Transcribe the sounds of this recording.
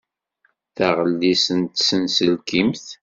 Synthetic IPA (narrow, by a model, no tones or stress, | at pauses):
θæʁəlːisənt̪sənsəlkimθ